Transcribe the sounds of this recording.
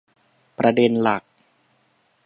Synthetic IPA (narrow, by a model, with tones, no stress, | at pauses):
pɾa˧de˧nla˨˩k̚